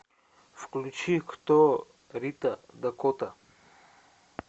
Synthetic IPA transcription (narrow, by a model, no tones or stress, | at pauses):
fklʲut͡ʃikt̪ɔ | ɾit̪ɐd̪ɐkɔt̪ɐ